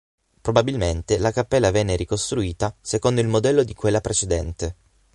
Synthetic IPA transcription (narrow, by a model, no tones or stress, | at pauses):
pɾobabilment̪elakapːɛlːavɛnːeɾikost̪ɾuiːt̪asekond̪oilmod̪ɛlːod̪ikwelːapɾet͡ʃed̪ɛnt̪e